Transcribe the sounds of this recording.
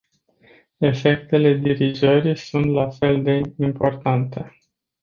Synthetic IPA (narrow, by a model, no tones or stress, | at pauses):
e̞fe̞k̚t̪e̞le̞d̪iɾizəɾisunt̪lafe̞ld̪e̞impo̞rt̪ant̪e̞